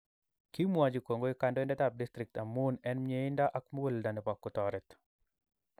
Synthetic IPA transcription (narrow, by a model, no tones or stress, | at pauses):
kimwad͡ʒikoŋɡoikandɔɪndɛt̪ap̚dist̪ɾɪk̚t̪amːunɛnmɲeɪndaʔakmwoldanɪpakːʊt̪ɔɾɛt̪